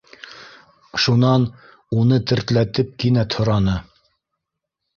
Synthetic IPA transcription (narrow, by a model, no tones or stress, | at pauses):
ʃunɑn | unɤt̪ɘ̆ɾt̪læt̪ɘp̚kinæt̪ʰhŏɾɑnɤ